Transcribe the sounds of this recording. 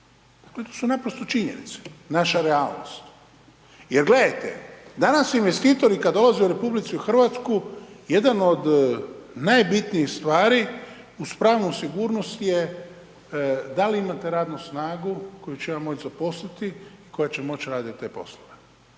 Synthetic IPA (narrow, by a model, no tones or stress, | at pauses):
d̪̥aklet̪oːsunapɾost̪o̞t͡ʃiɲḛnḭt̪se̥naʃaɾealˠno̰st̪ | jeɾɡle̞d̪ajt̪ḛd̪anasinʋe̞st̪iːt̪o̞ɾikad̪d̪o̞lˠazeuɾe̞publit̪siuxr̩ʋat̪skuje̞d̪anod̪ | najbit̪niixst̪ʋaːɾi | uspɾaːʋnosiɡuːɾno̞st̪je̞ | d̪aliimat̪eɾaːd̪nusnaːɡuko̞jut͡ɕeʋamːo̞t͡ʃzapo̞slit̪iiko̞jat͡ɕemo̞t͡ɕɾaːd̪it̪t̪ːepo̞̰sloʋe